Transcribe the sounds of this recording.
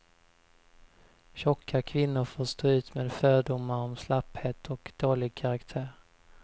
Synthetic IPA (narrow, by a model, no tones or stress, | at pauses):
ɕɔkʰːakʰvɪnːʊɾfoːʂt̪oːʉ̟ːt̪meːd̪fœːɖʊmːaɾɔmslapheːt̪ʰɔkd̪̥oːlɪɡ̚kʰaɾakt̪ʰæːɾ